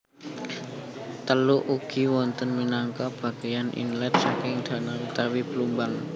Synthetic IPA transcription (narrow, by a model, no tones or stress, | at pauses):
t̪əluʔuɡ̥i̤wɔnt̪ənminaŋkab̥a̤ɡ̥ajanʔḭnlɛt̪̚sakɪŋd̪̥a̤naut̪awib̥əlumbaŋ